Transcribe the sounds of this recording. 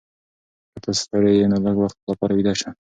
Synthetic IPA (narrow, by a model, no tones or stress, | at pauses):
kat̪ʰast̪aɽejenoləɡwaxt̪̚lapɑɾawid̪ɑʃa